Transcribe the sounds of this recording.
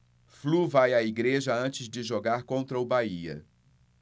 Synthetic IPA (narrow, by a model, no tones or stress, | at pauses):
fluvajaiɡɾeʒɐɐ̃t͡ʃɪzd͡ʒɪʒoɡaɾkõnt̪ɾɐʊbaiɐ̰